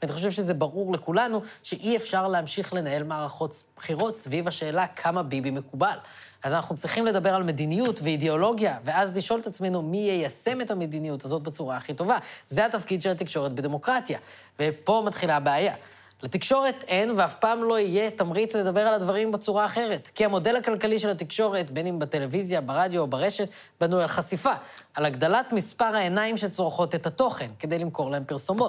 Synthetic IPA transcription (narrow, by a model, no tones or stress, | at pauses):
vaniχo̞ʃe̞vʃezebaʁuʁle̞kulanuʃeʔiefʃaʁleamʃiχle̞nae̞lmaːʁaχo̞tb̥χiʁo̞tsvivaʃe̞ːlakʰamabibime̞kubal | azanaχnut͡sʁiχimle̞d̪abe̞ʁalme̞d̪inijutveideo̞lo̞ɡjaveazliʃʔo̞let̪at͡sme̞numijejase̞me̞thame̞d̪inijutazo̞t̚bet͡suʁaːχito̞vazeatafkid̪ʃelat̪ikʃo̞ʁetbed̪emo̞kʁatja | vepo̞mat̪χilabeaja | let̪ikʃo̞ʁe̞t̪e̞nveafpaːmlo̞ije̞tamʁit͡sled̪abe̞ʁaladvaʁimbe̞t͡suʁaːχe̞ʁe̞tkiamo̞de̞lakalkaliʃe̞lat̪ikʃo̞ʁe̞tbenimbate̞levizjabaʁadjo̞ːbaʁe̞ʃet | banualχasifaːlaɡd̪alatmispaʁhaenaimʃe̞lt͡sʁoχo̞te̞thato̞χe̞nke̞d̪e̞jlimko̞ʁlaempiʁso̞mo̞t